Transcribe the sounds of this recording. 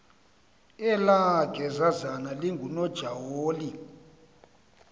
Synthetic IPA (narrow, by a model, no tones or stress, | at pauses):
ɛlaɡ̥ʱɛzazanaliŋɡʱunɔd̥ʒ̥ʱawoːli